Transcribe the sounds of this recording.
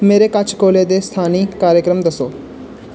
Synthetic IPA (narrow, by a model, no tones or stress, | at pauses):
meːɾeːkət͡ʃʰkoːleːd̪eːst̪ʰaːniːkaːɾjəkɾəmd̪əsoː